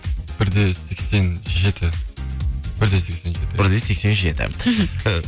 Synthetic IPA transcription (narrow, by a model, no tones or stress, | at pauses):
b̥ɪɾd̪e̞se̞kse̞nʒe̞t̪ʰɪ | bɪɾd̪e̞se̞kse̞nʒe̞t̪ɪɪɾd̪ese̞kse̞nʒe̞t̪ɪ̰